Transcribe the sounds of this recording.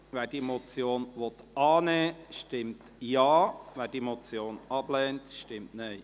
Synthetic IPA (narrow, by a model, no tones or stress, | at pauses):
ʋɛːɾd̥iemɔt͡sjoːnʋɔt̪ɑːnɛːʃtɪmt | jaːʋæːɾd̥iemot͡sjoːnɑb̥lɛːntʃtɪmtneɪ